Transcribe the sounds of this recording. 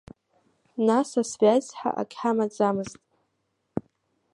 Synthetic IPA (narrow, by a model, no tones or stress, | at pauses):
nasasvazħa̰ʔa̰kʲʰʼħamad͡zamɨztʼ